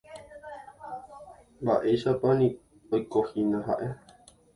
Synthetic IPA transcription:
baʔeʃapanĩ | ojkohinãɦaʔe

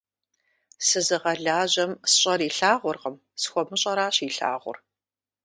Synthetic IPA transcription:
sɨzɨʁɐɮaːʑɐmsɕʼɐɾiːɬaːʁʷʊrʁɐm | sxʷɔmɨɕʼɐɾaːɕiːɬa̰ːʁʷʊ̰r

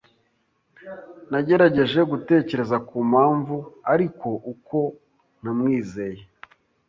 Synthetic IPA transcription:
naɟe̞ɾaɟe̞ʒe̞ɡute̞ːce̞ɾe̞zakuːmhaːɱvuaɾiko̞ʔuko̞ | n̥amŋiːze̞je

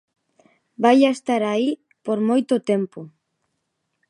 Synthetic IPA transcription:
bajaest̪aɾai | poɾmojt̪ʊt̪empʊ

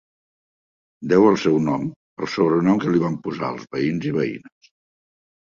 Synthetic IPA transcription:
d̪ɛwəlˠsɛwnɔm | əlˠsoβɾənɔmkəliβ̞ampuza̰əlˠzβəinziβəḭnəs

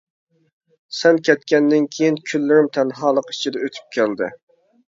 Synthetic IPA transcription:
sɛnkʲʰɛt̪kʲɛnd̪ɪnkʲʰejinkʲʰylːɪɾɪmt̪ʰɛnɦɑːlˠəqi̥t͡ʃʰid̪ɛøt̪ʰy̥p̚kʲʰæld̪ɪ̰

